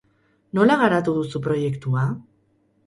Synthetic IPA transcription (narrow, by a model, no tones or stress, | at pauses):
no̞laɣaɾat̪uðusupɾo̞je̞kt̪ua